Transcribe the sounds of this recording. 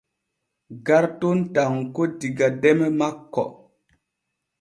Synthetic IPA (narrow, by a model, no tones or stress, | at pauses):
ɡaɾtontaŋkodiɡadɛmemakːɔ̰